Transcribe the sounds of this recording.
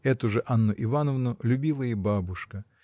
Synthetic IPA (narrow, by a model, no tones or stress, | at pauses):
ɛt̪ʊʐɨʔanːʊʔɪvanəvnʊlʲʊbʲilˠəjebabʊʂkə